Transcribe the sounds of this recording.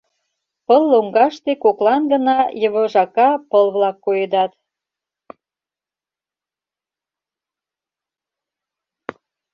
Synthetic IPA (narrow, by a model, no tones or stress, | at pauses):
pəlːoŋɡɑʃt̪ekoklɑnɡə̆nɑjəβɤ̆ʒɑkɑpəlβlɑkːojed̪ɑt̪